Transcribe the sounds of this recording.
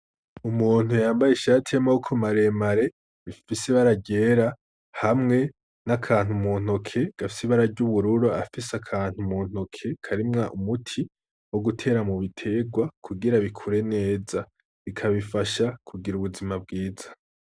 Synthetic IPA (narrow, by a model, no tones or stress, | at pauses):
umuːn̥hujaːmbajeʃaːtʰiamaukʰomaɾe̞maɾe̞ | βifisiβaɾaɟe̞ɾa | hamŋe̞ | nakʰaːn̥humuːn̥o̞kʰe̞ɡ̥afi̥siβaɾaɾɟuβuɾuɾoafisakʰaːn̥humuːn̥o̞kʰe̞kʰaɾimŋaʔumutʰi | wo̞ɡutʰe̞ːɾamuβitʰe̞ɡwakʰuɡiɾaβikʰuɾe̞ne̞ːza | βikʰaβifaʃakʰuɡiɾuβuzimabɡiːzḁ